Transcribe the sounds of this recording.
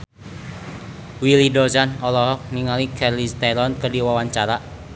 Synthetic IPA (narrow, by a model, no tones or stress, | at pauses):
wilidozanɔlɔɦɔk̚niŋalikʰɛrlist̪ɛlɔnkərdiwawaɲt͡ʃaɾa